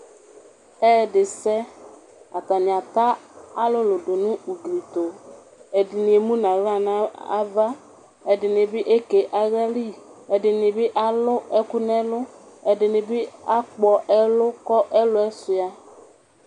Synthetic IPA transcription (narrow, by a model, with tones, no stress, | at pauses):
ɛː˦˨dɪ˨sɛ˦ | a˨t̪a˨nɪ̃˨a˨t̪a˦a˦lʊ˦lʊ˨dʊ˨nʊ̃˦u˨ɡli˨t̪o˨ | ɛ˨dɪ˨nɪ̃˨e˨mũ˦nã˨ɣa˦˨nã˦a̰˦va˦ | ɛ˨dɪ˨nɪ̃˨bɪ˦ʔe˦ke˨ʔa˨ɣa˦li˦ | ɛ˨dɪ˨nɪ̃˨bɪ˦ʔa˦lʊ˦ɛ˦kʊ˦nɛ̃˦lʊ˦ | ɛ˨dɪ˨nɪ̃˨bɪ˦a˦k͡pɔ˨ʔɛ˦lʊ˦kɔ˦ʔɛ˦lʊ˦ɛ˦sʊ˨a˨